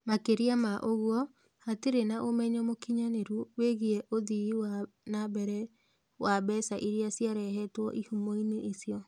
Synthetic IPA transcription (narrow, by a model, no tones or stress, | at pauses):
makeɾiamaʔoɣwɔ | hateɾenaʔomɛɲɔmokiɲaneɾuweɣiɛʔoðiiwa | nabɛɾɛ | wabɛsaʔiɾiasjaɾɛɦɛtwɔʔihumɔineʔisiɔ